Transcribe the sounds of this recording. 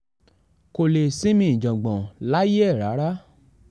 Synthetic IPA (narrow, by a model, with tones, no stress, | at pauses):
ko˧le˨si˦mĩ˧˨ĩ˨d͡ʒɔ̃˨ɡ͡bɔ̃˨la˨˦je˦ɛ˦˨ɾa˨˦ɾa˦